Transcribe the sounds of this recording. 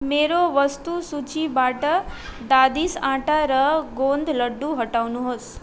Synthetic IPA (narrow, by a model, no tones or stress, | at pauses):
meɾoʋəst̪usut͡ʃibaʈəd̪ad̪isãʈaɾəɡond̪ʱləɖːuɦəʈawnuɦos